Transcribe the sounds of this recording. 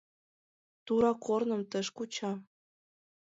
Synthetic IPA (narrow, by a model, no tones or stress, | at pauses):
t̪uɾɑkʰornɤ̆mt̪ə̆ʃkut͡ɕɑ